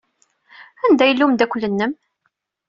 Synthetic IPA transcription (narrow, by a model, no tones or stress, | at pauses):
ænd̪æjəlːumd̪ækʷːlːənːəm